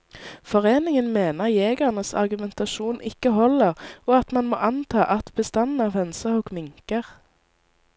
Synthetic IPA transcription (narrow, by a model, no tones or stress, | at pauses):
fɔʁeːnɪŋənmeːnəʁjeːɡəʁnəsɑ̰ʁɡʉmɛnt̪ɑʃuːnʔɪkəhɔləʁoːɑt̪mɑnmo̰ːʔɑnt̪ʰɑːʔɑt̪b̥əst̪ɑnnɑːʋɛnsəʁukmɪŋkəʁ